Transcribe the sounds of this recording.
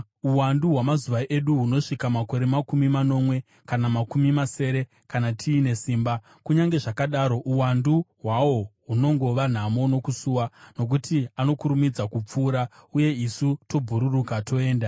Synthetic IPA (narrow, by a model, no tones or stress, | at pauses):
uwanduɦwamazuʋaʔeɗuɦuno̞ʂikamako̞ɾe̞makumimano̞ːmwe̞ | kanamakumimase̞ɾe̞ | kanatʰiːne̞siːmba | kuɲaŋɡe̞ʐakaɗaːɾo̞ʔuwanduɦwawo̞ɦuno̞ŋɡo̞ʋan̤amo̞no̞kusuːwano̞k̬utiano̞kuɾumid͡zakup͡fuːɾauje̞isuto̞bʱuɾurukatʰo̞e̞ːnda